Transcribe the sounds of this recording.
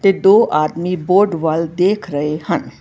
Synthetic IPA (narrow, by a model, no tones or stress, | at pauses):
t̪eːd̪oːʔaːd̪miːboːɾɖʋəld̪eːkʰɾəehən